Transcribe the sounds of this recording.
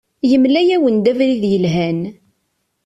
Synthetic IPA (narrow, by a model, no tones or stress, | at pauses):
jəmlæjæwənd̪ævɾiðjəlɦæn